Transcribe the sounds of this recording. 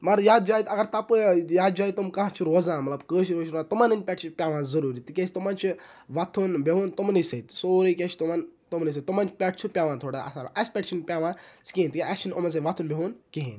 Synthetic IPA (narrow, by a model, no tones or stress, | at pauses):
mɐɾjaːd̪d͡ʒaːjt̪ɐɡɐɾt̪ɐpɨjaːd̪̚d͡ʒaːit̪umkãɦãt͡ʃʰuɾoːzãːmɐt̪lɐbkəːʃiɾoːʃʰɾoat̪umanɨnʲpʲɛʈt͡ʃʰipʲaːʋãːzɐɾuːɾit̪ikʲesʲt̪umaːnt͡ʃʰiʋat̪ʰunbʲeɦoːnt̪umnəsɐjt̪soːɾəkʲet͡ʃʰt̪umant̪umnəs̬ɐt̪umant͡ʃʰi̥pʲɛʈ̚ʰt͡ʃʰupʲjaːʋãːnt̪ʰoːɽaɐ̰saːɾ̰ʔɐsʲpʲɛʈt͡ʃʰinpʲaːʋãːskʲẽːnt̪ikʲɐst͡ʃʰinomɐns̬ɐʋat̪ʰunbʲeɦoːnkiɦĩn